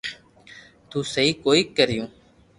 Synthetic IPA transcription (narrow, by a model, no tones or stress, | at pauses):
t̪uːsəɦiːkoːiːkəɾɪjõː